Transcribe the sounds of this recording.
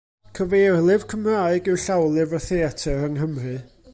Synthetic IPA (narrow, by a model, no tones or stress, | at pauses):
kʰəveːrlˠɪv̥kʰəmraːɨɡɨwɬawlˠɪvəθeatʰɛɾəŋɦəmrɨ